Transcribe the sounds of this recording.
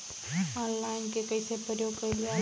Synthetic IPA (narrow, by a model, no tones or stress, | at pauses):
ɔːnlaːɪnkekəisʰepəɾjoːɡ̚kəilija